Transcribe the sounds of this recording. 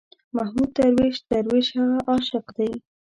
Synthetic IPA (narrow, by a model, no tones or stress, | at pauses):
mahmud̪̚t̪aɾwiʒt̪aɾwiʒhaɣaʔɑʃɪqd̪aj